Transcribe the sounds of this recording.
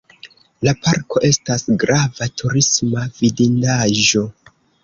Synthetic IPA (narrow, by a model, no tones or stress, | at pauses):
lapaɾko̞ʔe̞stasɡɾavatʰuɾismavidindaʒo̞